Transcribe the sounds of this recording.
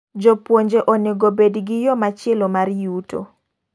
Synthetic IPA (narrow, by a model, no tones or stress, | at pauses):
d͡ʒopwoɲd͡ʒeʔonɪɡobedɡɪjɔmat͡ʃɪɛlomaɾjuto̰